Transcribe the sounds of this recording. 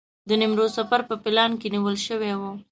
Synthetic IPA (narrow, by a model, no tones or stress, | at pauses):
d̪ənɪmɾosafaɾpəpɪlɑnkeniwəlʃəwewo